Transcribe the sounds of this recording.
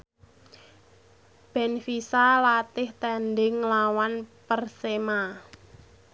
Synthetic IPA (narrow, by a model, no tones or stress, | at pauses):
b̥ɛ̤nfisalat̪ɪht̪ɛnɖɪŋlawanpərsema